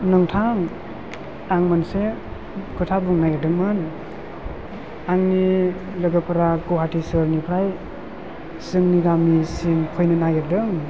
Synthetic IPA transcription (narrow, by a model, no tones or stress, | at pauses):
nɯŋtʰaŋ | aŋmanse | kʰɯtʰabuŋnajɯdɯŋmɯn | aŋni | lɯɡɯpʰaɾaɡoɦatʰisɯɾnipʰɾaj | sɯŋniɡamisiŋkʰɔjnɯnajɯdɯŋ